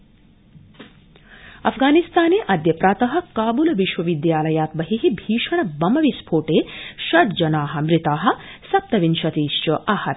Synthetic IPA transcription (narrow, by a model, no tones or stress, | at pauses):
ɐ̰fʰɡaːnist̪aːneːʔɐd̪jɐpɾaːt̪ɐɦɐ̆kaːbulɐʋiʃʋɐʋid̪jaːlɐjaːt̪bɐɦiɦibʱiːʃɐɳɐbɐmɐʋispʰoːʈeːʃɐt̪d͡ʒɐnaːɦɐ̆mɾit̪aːɦɐ̆ | sɐp̚t̪ɐʋinʃɐt̪iːst͡ʃɐʔaːhɐ